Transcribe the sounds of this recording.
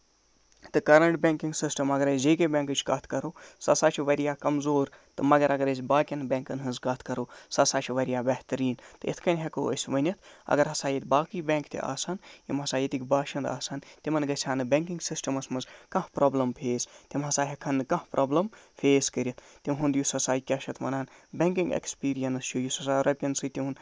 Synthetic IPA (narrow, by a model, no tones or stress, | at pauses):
t̪ɨkɐɾɐɳʈbʲeŋkiŋɡsisʈɐmɐɡɐɾɐsʲd͡ʒeːkebʲẽːŋkɨt͡ʃʰkɐt̪ʰkɐɾoːsɐsaːt͡ʃʰiʋɐɾijaːkɐmzoːɾt̪ɨmɐɡɐɾɐɡɐɾɐs̬ʲbaːkʲɐnbʲẽːŋkɐnɦɨnzɡɐt̪ʰkɐɾoːsɐsaːt͡ʃʰiʋɐɾijaːbɐht̪ɐɾiːnt̪ɨḭt̪ʰkɐnʲɦʲɐkoə̰sʲʋɐnʲɐt̪ʰɐ̰ɡɐɾɦɐsaːjit̪ʲbaːkiːbʲeːŋkt̪ʰḭʔa̰ːsaːnjimɦɐsaːjit̪ikʲbaːʃɐnd̪a̰ːsaːnt̪ʲimɐnɡɐsʰʲaːnɨbʲeŋkiŋɡsisʈɐmɐsmɐnzkɐ̃hpɾoːblɐmpʰeːst̪ʲimɦɐsaːɦʲɐkʰɐnɨkɐ̃hpɾʔoːblɐmpʰeːskɐɾit̪ʰt̪ʲimɦund̪jusɐsaːjkʲɐʃʰɐt̪ʰmɐ̰naːnbʲeŋkiŋɡḛkspiːɾijɐnst͡ʃʰujusɐsaːɾɐb̚ʲkʲɐnsɨt̪ʲiɦun